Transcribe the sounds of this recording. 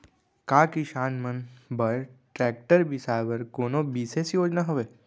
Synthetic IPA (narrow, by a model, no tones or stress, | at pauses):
kaːkiʃaːnmənbɐɾʈɾɛːk̚ʈəɾbisaːʋəɾkoːnõbiːsesjoːd͡ʒnaɦoʋeː